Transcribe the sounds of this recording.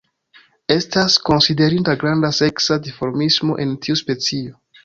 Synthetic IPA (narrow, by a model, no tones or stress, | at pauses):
e̞stasko̞nside̞ɾintaɡɾandase̞ksadifo̞ɾmismo̞̰ʔe̞ntʰiuspe̞t͡sio̞